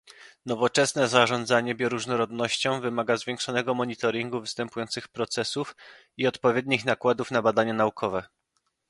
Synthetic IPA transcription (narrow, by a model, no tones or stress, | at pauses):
nɔvɔt͡ʂɛsnɛzaʐɔnd̪zaɲɛbʲjɔɾuʐnɔɾɔd̪nɔɕt͡ɕɔ̃w̃vɘmaɡazvʲjɛ̃ŋkʂɔnɛɡɔmɔɲit̪ɔɾʲiŋɡuvɘst̪ɛmpujɔnt̪sɘxpɾɔt̪sɛsuf | iɔt̪pɔvʲjed̪ɲixnakwad̪ufnabad̪aɲanaukʰɔvɛ